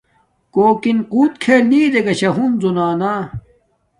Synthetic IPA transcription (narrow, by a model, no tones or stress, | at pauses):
koːkinquːt̪̚kʰeːlniːd̪eɡɐɕɐɦunzunaːnaː